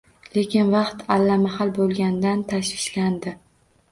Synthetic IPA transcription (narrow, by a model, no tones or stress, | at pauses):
le̞kʲɪnvɑqt̪alːamahalbolˠɡʲand̪ant̪ʰaʃvɪʃland̪ɪ